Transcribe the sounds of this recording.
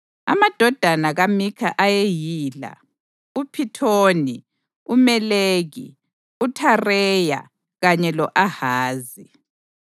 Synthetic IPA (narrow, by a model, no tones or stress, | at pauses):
a̰mad̥ʱɔd̥ʱanaɣamikʰaʔajejiːla̰ | upʰitʰoːni | umɛleːɣḭ | utʰarɛːja̰ | ɣaɲɛlɔʔahaːzi